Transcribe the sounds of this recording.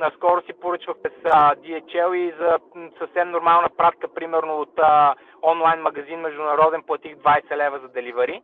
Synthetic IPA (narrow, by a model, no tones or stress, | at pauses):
nskɔɾʊsipʊɾɤt͡ʃvəxmɛsəd̪iɛt͡ʃɛlˠizɐsəfsɛmnʊɾmalˠnəpɾat̪kəpɾimɛɾnʊot̪ə | ɔnlˠajnmɐɡɐzinmɛʒd̪ʊnɐɾɔd̪ɛnplˠɐt̪iɡd̪vajsɛlɛvɐzɐd̪ɛlivɐɾi